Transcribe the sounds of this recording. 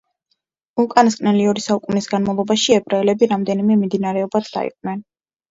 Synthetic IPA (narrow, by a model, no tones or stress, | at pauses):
ukʼaniskʼnɛliɔɾisaukʼunisɡanmalˠɔbaʃiɛbɾaɛlɛbiɾamd̪ɛnimɛmimd̪inaɾɛɔbad̪d̪a̰ḭqʼnɛn